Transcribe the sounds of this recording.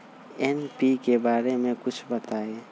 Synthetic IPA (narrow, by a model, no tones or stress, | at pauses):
enpikebaːɾemẽkʊt͡ʃʰbət̪ae